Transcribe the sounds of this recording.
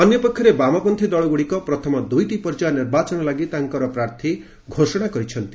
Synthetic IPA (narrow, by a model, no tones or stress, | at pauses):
ɔnjɔpɔkʰjɔɾebamapɔnt̪ʰid̪ɔɭɔɡuɽikɔpɾɔt̪ʰɔmɔd̪ujʈipɔɾd͡ʒaniɾbat͡ʃɔnɔlaɡit̪aŋkɔɾɔpɾaɾt̪ʰi | ɡʱosɔɽ̃akɔɾit͡ʃʰɔnt̪i